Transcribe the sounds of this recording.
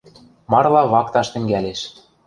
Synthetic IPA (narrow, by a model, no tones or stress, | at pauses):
mɑrlˠɑβɑkt̪ɑʃt̪ɘ̆ŋɡæleʃ